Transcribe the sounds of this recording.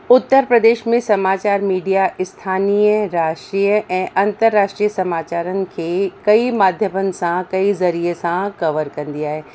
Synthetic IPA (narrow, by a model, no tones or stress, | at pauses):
ʊt̪ːəɾpɾɐd̪eːʃmẽsɐmaːt͡ɕaːɾmiːɖijaʔɪst̪ʰaːniːəɾaːʃʈɾiːəʔɛ̃ːʔɐ̃nt̪əɾːaːʃʈɾiːəsɐmaːt͡ɕaːɾənɪ̆kʰeːkɐimaːd̪ʱjəmənɪ̆sãkɐizɐɾiesãkɐʋəɾkɐ̃nd̪iaːɦeː